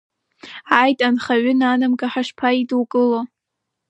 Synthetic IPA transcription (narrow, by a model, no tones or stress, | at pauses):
ajtʼanχaɥʏnanɨmɡaħaʂpʰaiduwkʼɨlo